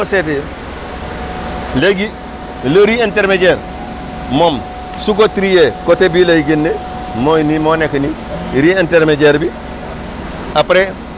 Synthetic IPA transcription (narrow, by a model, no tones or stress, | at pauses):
osete | leɡi | ləɾienteɾmeɟeɾ | mom | suɡotɾijekotebilajiɡenːe | mojnimonekni | ɾienteɾmeɟeɾbi | apɾe